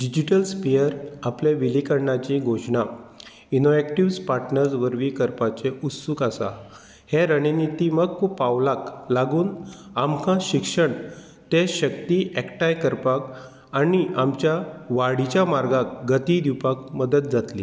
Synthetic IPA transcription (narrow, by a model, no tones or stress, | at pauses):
ɖid͡ʑiʈəlspijəɾaplẽʋilikəɾɳat͡ɕĩɡʱoɕɳa | inoekʈiʋspaɾʈnəɾd͡zʋəɾʋiːkəɾpat͡seʔut̪sukasa̰ | heɾəninit̪iməɡkpaʋlaklaɡuːnamkãɕikʂəɳ | t̪eɕək̚t̪iʔɛkʈajkəɾpak | aniʔamt͡ɕjaʋaɽit͡ɕjamaɾɡak̚ɡət̪id̪iwpak̚məd̪ət̪̚d͡zat̪lḭ